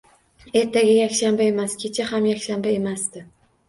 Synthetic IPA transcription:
e̞ɾt̪ʰaɡʲajakʲʃambae̞maskʲʰe̞t͡ʃʰahamjakʲʃambae̞masd̪ɪ

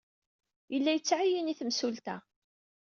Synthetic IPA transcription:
jəlːæjət͡sːʕajəniθmsult̪æ̰

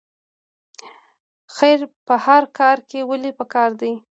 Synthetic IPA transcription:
xajɾpəhaɾkɑɾkewəlepəkɑɾd̪i

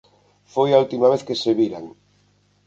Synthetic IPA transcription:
fojault̪imaβ̞eθkeseβiɾa̰ŋ

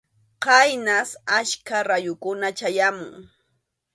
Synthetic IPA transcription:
qɑjnasaʃkaɾajʊkʊnat͡ʃajamʊ̰ŋ

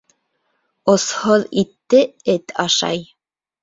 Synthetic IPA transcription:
ŏsholˠit̪ːɘɘt̪ɑʃɑ̰j

